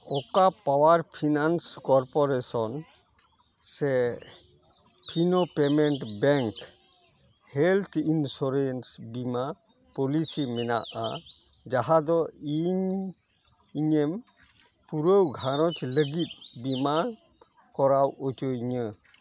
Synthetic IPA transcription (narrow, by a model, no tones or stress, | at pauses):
ɔkapawaɾpʰinanskɔɾpɔɾesɔn | se | pʰinopemenʈbɛŋk | helt̪ʰinsɔɾensbimapɔlisimɛna̰ʔa | d͡ʒaɦad̪ɔiɲ | iɲem | puɾəwɡʱaɾɔtʰləɡit̪̚bima | kɔɾawɔtojɲɯ